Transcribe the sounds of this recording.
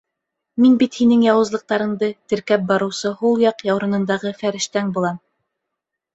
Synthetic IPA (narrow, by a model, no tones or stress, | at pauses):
minbit̪hinɘŋjɑwɤ̆zlˠɤ̆q̚t̪ɑɾɤ̆ɴd̪ɤt̪ɘ̆ɾkæp̚bɑɾɤ̆wsɤhulˠjɑqjɑwɾɤ̆nɤ̆nd̪ɑʁɤfæɾɘ̆ʃt̪æŋbulˠɑm